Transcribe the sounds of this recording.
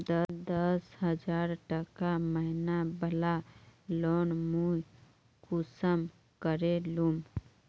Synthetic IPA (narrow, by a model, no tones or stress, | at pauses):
d̪əd̪əsɦəd͡ʒaɾʈəkaməɦinabəlalonmuj | kusəm | kəɾelum